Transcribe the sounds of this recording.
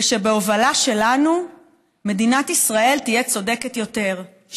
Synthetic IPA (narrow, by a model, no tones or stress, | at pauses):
ʃebeo̞valaʃe̞lanu | me̞dinat̪isʁae̞ltijet͡so̞deketjo̞te̞ʁ